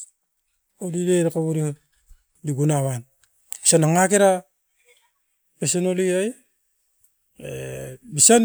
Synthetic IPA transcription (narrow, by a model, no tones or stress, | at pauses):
odideɾakaβuɾi | diɡunaβan | isanaŋakeɾa | pesenoliaj | ḛbisan